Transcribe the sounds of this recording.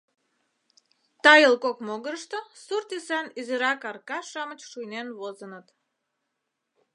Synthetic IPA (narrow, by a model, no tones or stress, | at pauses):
t̪ɑjəlkokmoɣəɾəʃt̪ə̆surt̪isɑniziɾɑkɑrkɑʃɑmət͡ɕʃujnenβozənət̪